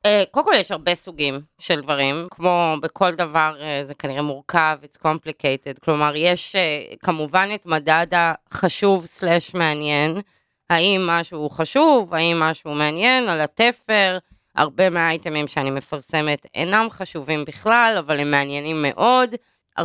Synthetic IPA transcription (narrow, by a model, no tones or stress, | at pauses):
ekolkoljɛʃhaʁbe̞suɡimʃeldvaʁimkʰmo̞bekʰo̞ldavaʁezekaniʁemuʁkavit͡skomplikejted̚klo̞maʁjeʃekamuvanetmadadaχaʃuvsleʃme̞anjen | haimːaʃuχaʃuvhaimːaʃuumeanjenalatefeʁ | a̰ʁbe̞meajtemimʃeanime̞faʁse̞metḛnamχaʃuvimbiχlalavalemːeanjenimːe̞ʔo̞d | a̰